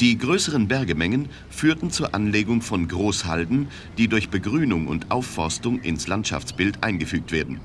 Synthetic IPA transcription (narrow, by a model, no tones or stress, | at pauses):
d̥iːɡʁøːsəʁənbɛɐɡəmɛŋən | fyːɐtn̩t͡suːɐʔanleːɡʊŋfɔnɡʁoːsha̰ldn̩ | d̥iːdʊɐçb̥əɡʁyːnʊŋʊ̰ntʔaʊfːɔɐstʊŋʔɪ̰nslantʃa̰ft͡sb̥ɪltʔaɪnɡəfyːk̚tv̥eːɐdn̩